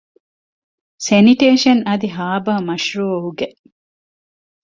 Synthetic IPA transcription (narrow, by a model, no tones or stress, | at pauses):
seniʈeːʃɐnɐd̪iɦaːbaːmɐʃɾuoɦuɡeʔ